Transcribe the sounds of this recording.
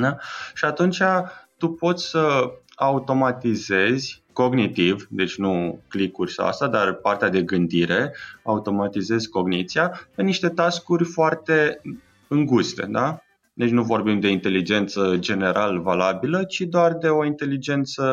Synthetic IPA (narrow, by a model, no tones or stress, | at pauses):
d̪aʃiat̪unt͡ʃat̪upo̞t̪sʲsə | aut̪o̞mat̪ize̞zʲko̞ɡnit̪ivd̪e̞t͡ʃʲnuklikurʲsa̰a̰st̪ad̪arpart̪ead̪e̞ɡɨnd̪iɾe̞aut̪o̞mat̪ize̞zʲko̞ɡnit̪sijape̞niʃt̪e̞t̪askurʲfoart̪e̞ | ɨŋɡust̪e̞̰d̪a | d̪et͡ʃʲnuvo̞rbimd̪e̞int̪e̞lid͡ʒe̞nt̪səd͡ʒe̞ne̞ɾʔaləvalabilət͡ʃid̪oard̪e̞o̞int̪e̞lid͡ʒe̞nt̪sə